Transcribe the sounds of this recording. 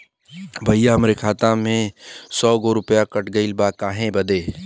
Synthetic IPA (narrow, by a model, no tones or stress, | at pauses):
bʱɐijaɦɐmɾekʰaːt̪ãmẽsɔːɡoɾʊpjakəʈɡəɪlbakaːɦẽbɐd̪eː